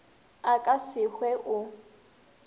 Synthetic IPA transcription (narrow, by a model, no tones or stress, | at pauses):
akʼasɪhwɛʔʊ